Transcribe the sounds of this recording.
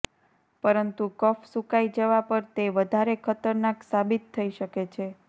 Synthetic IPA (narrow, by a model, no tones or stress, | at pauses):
pəɾənt̪ukəfsukaid͡ʒəʋapəɾt̪eʋəd̪ʱaɾekʰət̪əɾnaksabit̪ʰːəiʃəket͡ʃʰe